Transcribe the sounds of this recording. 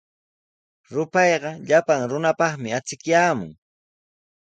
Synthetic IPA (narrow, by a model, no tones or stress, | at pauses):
ɾʊpɑjɢɑʎapaŋɾʊnapɑχmɪat͡sɪkjaːmʊ̰ŋ